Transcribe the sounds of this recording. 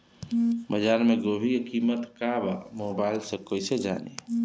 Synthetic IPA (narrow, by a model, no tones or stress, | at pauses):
bəd͡ʒaːɾmẽɡoːbʱikekiːmət̪kaba̰moːbaɪlsekoːised͡ʒa̰ːnḛ